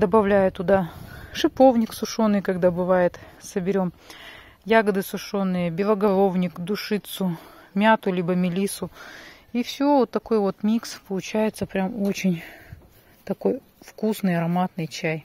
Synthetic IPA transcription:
d̪əbɐvlʲæjʊt̪ʊd̪aʂɨpo̞vnʲɪksʊʂo̞nːɨjkɐɡd̪abɨvajɪt̪səbʲɪɾʲom | jaɡəd̪ɨsʊʂo̞nːɨjəbʲɪlˠəɡɐlˠovnʲɪkd̪ʊʂɨt̪sʊmʲat̪ʊlʲibəmʲɪlʲisʊ | ifsʲɪoot̪ːɐko̞jvo̞t̪mʲikspəlˠʊt͡ɕæjɪt̪səpɾʲamo̞t͡ɕɪnʲ | t̪ɐko̞j | fkusnɨjɐɾɐmat̪nɨjt͡ɕæj

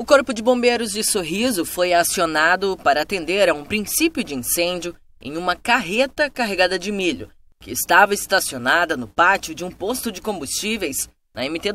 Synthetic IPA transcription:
ʊkoɾpʊd͡ʒɪbõmbejɾʊzd͡ʒɪsoɦizʊfojasionad̪ʊpaɾɐːt̪ẽnd̪eɾɐũpɾĩsipjʊd͡ʒɪĩsẽnd͡ʒʊ | ḛ̃j̃ũmɐkaɦet̪ɐkaɦeɡad̪ɐd͡ʒɪmiʎʊ̰ | kɪːst̪avɐɪst̪asionad̪ɐnʊpat͡ʃiʊd͡ʒɪũpost̪ʊd͡ʒɪkõmbust͡ʃivejs | nɐẽmit̪e

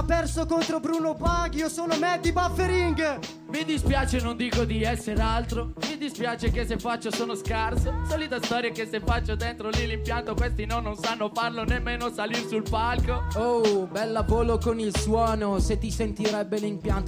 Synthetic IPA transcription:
apːɛrsokont̪ɾobɾuːnopaɡiosoːnomɛd̪ibafːeɾiŋɡ | mid̪ispjaːt͡ʃenond̪iːkod̪iɛsːeɾealt̪ɾomid̪ispjaːt͡ʃekesːefːat͡ʃːosoːnoskarsosaliːt̪ast̪ɔːɾjakesːefːat͡ʃːod̪ent̪ɾolilimpjant̪okwest̪inɔnːonsanːofarlonemːeːnosalirsulpalkoobɛlːapoːlokonilswɔːnoset̪ːisent̪iɾɛbːelimpjant̪o

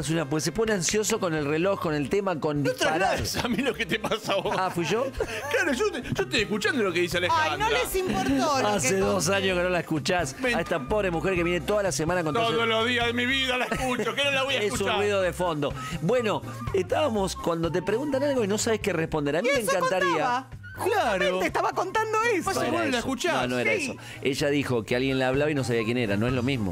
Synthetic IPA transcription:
sunap̬wes̬e̞po̞neansjo̞sokone̞lreloxko̞ne̞lt̪emakonot̪ɾaaɾaaesamiloket̪epasoafwiʒoklaɾoʒot̪ʒ̥oet̪ojehkut͡ʃand̪olokeðis̬ealexannolɾesimpoɾt̪oaseðos̬aɲjohkenolaekut͡ʃasaest̪apoβɾemuxeɾkeβjenet̪oðalasemãnakont̪oðoloðiaðemiβiðalaekut͡ʃokenolaβojaeekusuarwiðoðefo̞nd̪o̞ | bwe̞no̞ | eht̪aβamo̞skwand̪o̞t̪̬e̞pɾeɣunt̪analɣo̞ino̞saβe̞hkerehpond̪eɾamimẽŋkant̪aɾiaa | klaɾot̪est̪aβakont̪and̪oeseɾelesokut͡ʃnaonoeɾaeso | eʒaðixo̞kealɣje̞nlaːβlaβaino̞s̬aβiakje̞neɾa̰no̞eɦlo̞mizmo̰

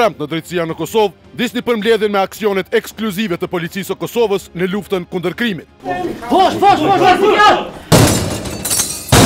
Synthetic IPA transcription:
ɾãmpt̪nɐd̪ɾit̪sianəkɔsovu | d̪isnipəɾmlɛðjɛnmɛaksiɔnɛt̪ɛkskluzivɛt̪əpɔlit̪t͡sisəkɔsɔvəsnəluft̪ənkund̪əɾkɾimit̪vɔʃvɔʃvɔʃasua

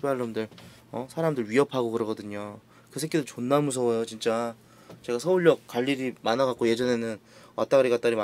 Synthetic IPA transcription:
aɭːomdɯɭ | ʌsʰaɾamdɯɭɥiʌpʰaɡokɯɾʌɡʌdɯɲo | kɯs̬ʰek͈edot͡ɕonːamus̬ʰʌjot͡ɕint͡ɕ͈a | t͡ɕe̞ɡasʰʌuɭːʌk̚k͈waʎːiɾimanaɡak͈oje̞d͡ʑʌne̞nɯnat͈aɡɾiɡat͈aɾima

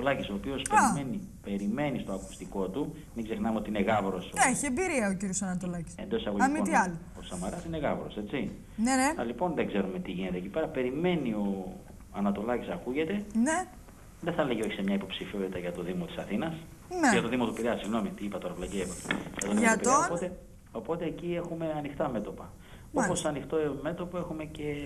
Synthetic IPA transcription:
t̪olɐciso̞ːpio̞speimenipe̞ɾime̞nist̪oɐku̥st̪iko̞t̪u | miɡze̞xnɐmeot̪iineɣɐvɾo̞seçiembiɾiɐociɾjosɐnɐt̪olɐci̥send̪osɐpolɐimiot̪iɐli | osɐmɐɾɐsineɣɐvɾo̞̰se̞tt͡si | neneɐlipo̞nðe̞ɡze̞ɾumet̪iʝinet̪ecipeɾɐpe̞ɾime̞nio̞ | ɐnɐt̪o̞lɐcisɐkuʝe̞t̪e̞ne | ðeθɐle̞ʝeo̞çi̥semɲɐipo̞psifiot̪it̪ɐʝɐt̪o̞ðimot̪isɐθinɐs | neʝɐt̪o̞ðimo̞t̪upiɾɐsiɣno̞mit̪iipɐt̪oɾɐplɐcievoʝɐt̪onemɐpiopot̪e | o̞po̞t̪e̞ːcie̞xume̞ɐnixt̪ɐme̞t̪o̞pɐ | opo̞sɐnixt̪o̞eme̞t̪o̞poe̞xume̞ce̞

